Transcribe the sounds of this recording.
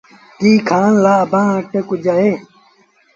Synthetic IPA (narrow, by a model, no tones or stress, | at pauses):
t̪iːkʰaːnlaːbãːʈekud͡ʑae